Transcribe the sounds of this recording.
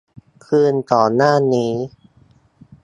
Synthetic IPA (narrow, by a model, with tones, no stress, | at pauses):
kʰɯː˧nt̪ɔː˨˩naː˥˩niː˦˥